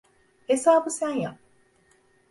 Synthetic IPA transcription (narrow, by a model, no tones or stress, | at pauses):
esaːbusænja